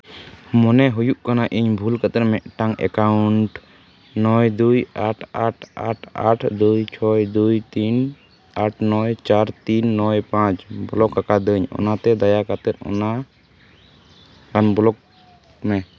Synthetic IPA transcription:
mɔnɛɦujuʔkanaʔiɲbʱulkət̪ɛɾmɛʔʈaŋɛ̰kawuɳʈ | nɔjd̪ujaʈʰaʈʰaʈʰaʈʰd̪ujt͡ʃʰɔjd̪ujt̪in | aʈʰnɔjt͡ʃaɾt̪inːɔjpãt͡ʃbɔlɔkːakad̪əɲɔ̰nat̪ɛd̪ajakat̪ɛt̪̚ˀɔ̰na | kanbɔlɔk̚ | mɛ

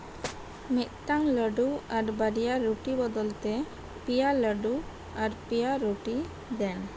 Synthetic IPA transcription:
mit̪̚ˀt̪aŋləɖuaɾbəɾijaɾuʈibɔd̪ɔlt̪ɛ | pijaləɖu | aɾpijaɾuʈi | d̪ɛn

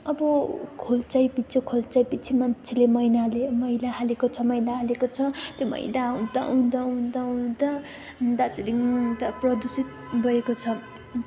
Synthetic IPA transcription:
ʌbʌkʰolt͡sajpit͡sʰikʰolt͡sajpit͡sʰimant͡sʰelemʌjnalemʌjlaɦalekot͡sʰʌmʌjlaɦalekot͡sʰʌt̪jomʌ̰jdaũd̪aũd̪aũd̪aũd̪a | d̪at͡silid̪aprʌd̪usit̪̚bʱʌekot͡sʰʌ

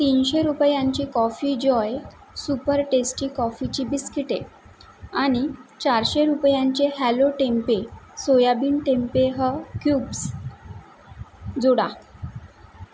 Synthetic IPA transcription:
t̪inɕeɾupjãɲt͡ɕiːkɔfid͡ʑɔj | supəɾʈesʈiːkɔfit͡ɕiːbiskiʈe | aɽ̃it͡ɕaɾɕeɾupjãɲt͡ɕehæloʈempesojabiːnʈẽmpeɦəkjuːbs | d͡zoɽa

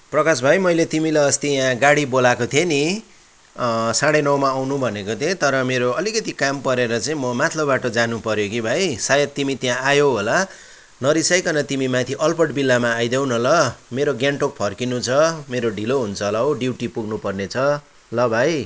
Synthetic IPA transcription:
prʌkasbʱajmʌjlet̪imilaʌst̪ijãɡaɽibolakot̪ʰeni | saɽenʌwmaːwnũbʱʌnekot̪ʰẽt̪ʌɾʌmeɾoʌlikʌt̪ikampʌɾeɾʌt͡saĩmʌmat̪ʰlʌbbaʈʌd͡zanupʌɾjokibʱajsajʌt̪t̪ːimit̪jãʔajoɦola | nʌɾisʌjkʌnʌt̪imimat̪ʰiʔʌlpʌʈbilːamaːjd̪ew̃nʌlʌmeɾoɡjaɳʈok̚pʰʌrkinut͡sʰʌmeɾoɖʱiloɦunt͡sʰʌlʌɦwɖiwʈipuɡnupʌrnet͡sʰʌ | lʌbʱaj

